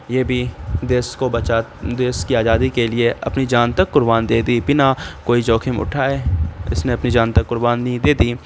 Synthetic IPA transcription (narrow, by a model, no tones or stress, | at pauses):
jeːbʱid̪eːskobɐt͡ʃad̪eːskiaːzaːd̪ikelieɐ̰pnid͡ʒaːnt̪ɐkːʊɾbaːnd̪eːd̪ibɪnakoːid͡ʒɔːkʰɪmʊ̰ʈʰaːeːɪ̰sneɐpnid͡ʒãːnt̪ɐkːʊɾbaːnid̪eːd̪iː